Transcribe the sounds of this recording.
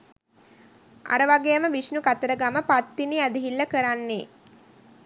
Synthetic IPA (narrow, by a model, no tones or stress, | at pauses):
a̰ɾəʋaɡejəməʋisnukat̪əɾəɡaməpat̪ːiniad̪iɦilːəkəɾanːe